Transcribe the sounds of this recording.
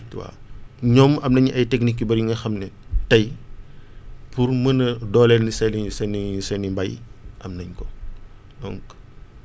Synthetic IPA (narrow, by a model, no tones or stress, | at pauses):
wa̰ːɲɔmɐmnɐɲɐjtɛknikːibɐɾjiŋɡɐxɐmnɛtɐj | purmɐnɐdɔːlɛlnisɛlisɛnisɛnimbɐjʔɐmnɐɲkɔ | dɔ̰ŋk